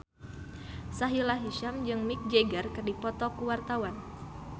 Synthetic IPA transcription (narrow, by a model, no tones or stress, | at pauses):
saɦilaɦiʃamd͡ʒɨŋmik̚d͡ʒeɡərkɨrdipɔt̪ɔkuwart̪awan